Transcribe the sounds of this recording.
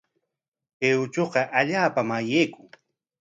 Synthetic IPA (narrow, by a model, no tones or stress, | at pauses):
keʊt͡ʃoqɑʔaʎaːpamajejkʊŋ